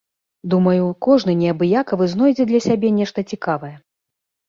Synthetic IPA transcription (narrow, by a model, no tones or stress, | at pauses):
d̪umɐjukɔʐnɨnʲɛɐbɨjakɐvɨznɔjd͡zʲɛd̪lʲɐsʲabʲɛnʲɛʂt̪ɐt͡sʲikavɐjɛ